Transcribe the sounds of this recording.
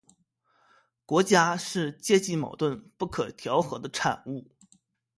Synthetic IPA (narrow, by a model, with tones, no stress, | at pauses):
kwɔ˧˥t͡ɕja˥ʂɻ̩˥˧t͡ɕjɛ˥˧t͡ɕi˥˩mɑ̰˨˩ʊt̪wə˥˧npu˥˩kʰɤ˨˩t̪ʰjɑ˧˥ʊxɤ˧˥d̪ə˧ʈ͡ʂʰa̰˨˩nu˥˩